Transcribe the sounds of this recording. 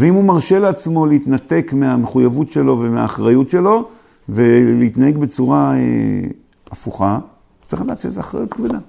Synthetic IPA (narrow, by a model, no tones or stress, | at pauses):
veimhumaʁʃe̞leat͡smo̞leit̪nat̪e̞kmeameχujavutʃe̞lo̞vemea̰ːχʁajutʃe̞lo̞ | veleit̪nahe̞ɡbe̞t͡suʁaḛ | afuχḁ | t͡siχlad̪aːt̪ʃezeaχʁa̰jut̪kved̪a